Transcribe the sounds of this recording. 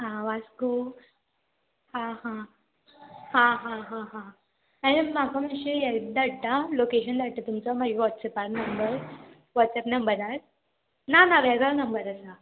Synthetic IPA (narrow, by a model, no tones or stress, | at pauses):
ɦãʋasko | hãɦã | hãɦãɦãɦã | aɽ̃imakʰaməɕeɛd̪aɽt̪alokeɕənd̪aɽt̪at̪umt͡sɔmaɡiʋɔʈ̪sɛpaɾnəmbəɾ | ʋɔʈsɛpnəmbəɾaɾ | nanaʋɛɡanəmbəɾəsa